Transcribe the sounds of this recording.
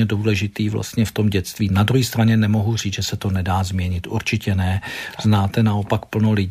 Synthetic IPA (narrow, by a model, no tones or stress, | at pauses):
ɛduːlɛʒɪt̪iːvla̰st̪ɲɛft̪o̞mɟɛt̪st̪viːnadɾuɦiːst̪ɾaɲɛnɛmo̞ɦur̝iːt͡sʒɛsɛt̪o̞nɛdaːzmɲɛɲɪt̪ʔṵɾt͡ʃɪcɛnɛznaːt̪ɛnaopakpl̩nolɪ